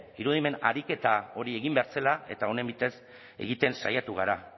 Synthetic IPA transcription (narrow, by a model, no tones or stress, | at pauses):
iɾuð̞ime̞na̰ɾike̞t̪ao̞ɾieɣimbe̞aɾselae̞t̪ao̞ne̞mbit̪e̞s | e̞̰ɣit̪e̞nsajat̪uɣ̞aɾa